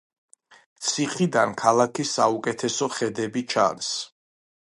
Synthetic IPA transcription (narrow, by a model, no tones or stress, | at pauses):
t̪sʰiχid̪ankʰalˠakʰisːaukʼɛt̪ʰɛsɔχɛd̪ɛbit͡ʃʰa̰ns